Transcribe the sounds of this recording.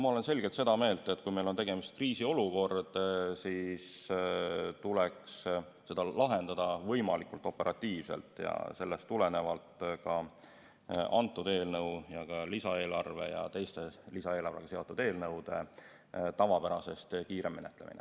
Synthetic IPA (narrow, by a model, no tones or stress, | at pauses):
mɑo̞le̞nse̞lɡ̥elt̪se̞d̪̥ɑme̞ːlt̪ˑet̪ːˑkujmelont̪e̞ɡ̥e̞mist̪̚kriːsio̞luko̞rd̪̥sis | t̪uleks | se̞d̪̥ɑlɑɦe̞nd̪̥ɑd̪̥ɑvɤ̞jmɑlikult̪ˑo̞pːe̞ɾʔɑt̪ːiːvsḛlt̪ˑjɑ̰se̞lːest̪ːulene̞vɑlt̪ˑkɑ | ɑnt̪ːˑud̪̥e̞ːlnɤwjɑkɑlisɑe̞ːlɑrve̞̰jɑ̰t̪ejst̪e̞lisɑe̞ːlɑrve̞ɡ̥ɑseo̞t̪ːˑud̪̥eːlnɤwd̪̥e̞ | t̪ɑvɑpæɾɑse̞st̪kiːɾe̞mːenet̪ːˑle̞mḭnḛ